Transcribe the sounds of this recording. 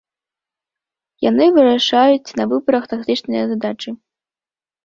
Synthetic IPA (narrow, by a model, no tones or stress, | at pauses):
ja̰nɨvɨɾaʂajut͡sʲnɐvɨbɐɾɐxt̪ak̚t̪ɨt͡ʂnɨjɐzad̪at͡ʂɨ